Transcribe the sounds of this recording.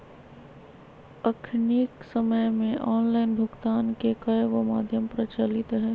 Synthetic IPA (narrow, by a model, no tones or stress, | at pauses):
əkʰniksəməjmẽʔɔːnlaːɪnbʱʊɡt̪aːnkekəʋoma̰ːd̪ʱjəmpɾɐt͡ʃalɪt̪ɦɛː